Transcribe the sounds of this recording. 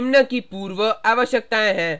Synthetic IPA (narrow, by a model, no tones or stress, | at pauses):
mnəkipuːɾʋəaːʋəʃjək̚t̪aẽɦɛ̃